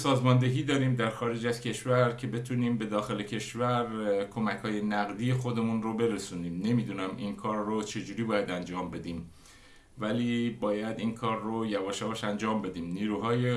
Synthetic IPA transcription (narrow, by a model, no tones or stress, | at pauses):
sɒːzmɒːnd̪e̞ɦiːd̪ɒːɾiːmd̪æɾxɒːɾe̞d͡ʒæzcʰe̞ʃvæɾcʰe̞be̞t̪ʰuːniːmbe̞d̪ɒːxe̞le̞cʰe̞ʃvæɾkʰo̞mæchɒːje̞næɣd̪iːje̞xo̞d̪e̞munɾobe̞ɾesuːniːmne̞miːd̪uːnæminkʰɒːɾːot͡ʃʰe̞d͡ʒuːɾiːbɒːjæd̪ænd͡ʒɒːmbe̞d̪iːm | væliːbɒːjæd̪inkʰɒːɾːojævɒːʃævɒʃænd͡ʒɒːmbe̞d̪iːmniːɾuːɦɒːje